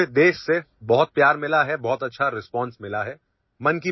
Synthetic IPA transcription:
ɪd̪eːʃse | bɔɦʊt̪̚pjaːɾmɪlaɦɛbɔɦʊt̪ɐtːʃʰaɾɪspɔ̃ːnsmɪlaɦɛ | mɐnki

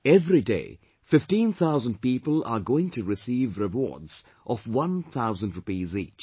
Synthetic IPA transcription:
ɛvɾidḛɪ | fɪfʈĩːnt̪ʰaʊzə̃nd̚piːpəla̰ɡoːɪ̃ŋtʰuɾɪsiːvɾɪʋɔ̰ːdz̥ | ʔɔfwʌ̃nt̪ʰaʊzə̃ndɾɹupiːzḭːt͡ʃ

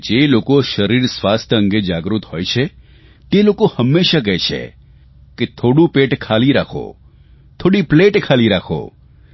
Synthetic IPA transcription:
d͡ʒelokoʃəɾiɾswast̪ʰəə̃ŋɡed͡ʒaɡɾut̪ɦojt͡ʃʰe | t̪elokohəmːeʃaɡət͡ʃʰḛ | ket̪ʰoɽũpeʈkʰaliɾakʰo̰ | t̪ʰoːɽipleʈkʰaliɾakʰo̰

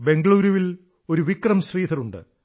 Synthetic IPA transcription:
be̞ŋɡɐɭuːɾuʋil | o̞ɾuʋikrɐmɕriːt̪ʰɐɾuɳɖɨ̰

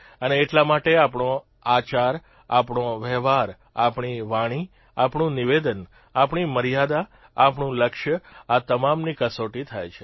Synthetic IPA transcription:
əneːʈlamaʈeapɳõ | at͡ʃaɾ | apɳõʋɛɦʋaɾ | a̰pɳ̃iʋaɽ̃i | apɳũniʋed̪ən | apɳiməɾijad̪aː | pɳũləkʃjəat̪əmamnikəsoʈit̪ʰajt͡ʃʰe

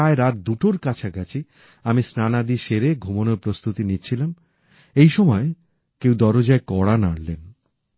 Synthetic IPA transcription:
aeɾat̪̚d̪uʈoɾkat͡ɕʰaɡat͡ɕʰi | amisnanad̪iʃeɾeɡʱumonoɾpɾost̪ut̪initːt͡ɕʰilam | ejʃɔmɔe | kewd̪ɔɾod͡ʑaekɔɽanaɽlen

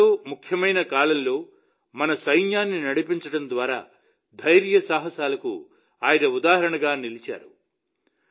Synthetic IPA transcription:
oːmukʰjɐmɐjnɐkaːlɐmlo̞ː | mɐnɐsɐjnjaːnːinɐɽipiɲt͡ʃɐɽɐnd̪ʋaːɾa̰ː | d̪ʱɐjɾjɐsaːɦɐsaːlɐkṵ | aːjɐnɐud̪aːɦɐɾɐɳɐɡaːnilit͡ʃa̰ːɾu

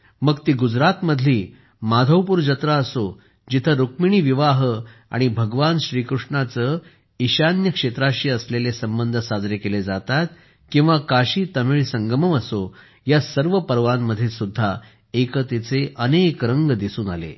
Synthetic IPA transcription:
məɡt̪iːɡud͡zɾat̪məd̪ʱliː | mad̪ʱəwpuːɾd͡ʑət̪ɾaəso | d͡ʑit̪ʰəɾukmiɽ̃iːʋiʋaɦəa̰ɽ̃ibʱəɡʋanɕɾiːkɾuʂɳat͡sə | iɕanjəkʂet̪ɾaɕiːəslelesəmbənd̪ʱəsad͡zɾekeled͡zat̪at̪̚ | kĩw̃ʋakaɕiːt̪əmiɭsəŋɡəməməso | jasəɾʋəpəɾʋamːəd̪ʱːjisud̪ʱːa | ekət̪it͡seʔənekɾəŋɡd̪isuːna̰lḛ

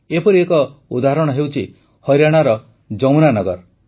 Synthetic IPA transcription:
epɔɾiekɔud̪aɦɾɔɽ̃ɔɦewt͡ʃʰi | hɔjɾaɽ̃aɾɔ | d͡ʒɔmnanɔɡɔ̰ɾ

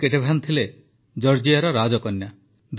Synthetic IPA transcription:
keʈebʱant̪ʰile | d͡ʒɔɾd͡ʒiaɾɔɾad͡ʒɔkɔnːja | d̪

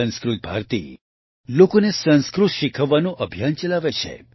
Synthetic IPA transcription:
ə̃nskɾut̪̚bʱa̰ɾt̪ḭ | lokonesə̃nskɾut̪ʃikʰəʋːanũʔəbʱjant͡ʃəlaʋet͡ʃʰḛ

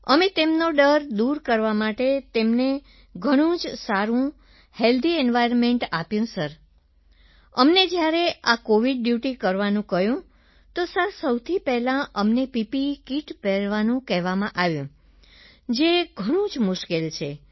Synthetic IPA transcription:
əmẽt̪emnoɖəɾd̪uɾkəɾʋamaʈet̪emne | ɡʱəɽ̃ũd͡ʒsaɾũ | held̪ʱiɛnʋajɾənmeɳʈapjũsəɾ | əmned͡ʒjaɾeakoʋiɖːjuʈikəɾʋanũkəɦjũ | t̪osəɾsəwt̪ʰipɛɦlãʔəmnepipikiʈpɛɾʋanũkɛɦʋamãʔaʋjũ | d͡ʒeɡʱəɽ̃ũd͡ʒmʊʃkelt͡ʃʰe

